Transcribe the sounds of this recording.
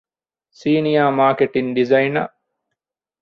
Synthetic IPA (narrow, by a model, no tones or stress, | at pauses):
siːnijaːmaːkeʈinɖizɐjinɐ̰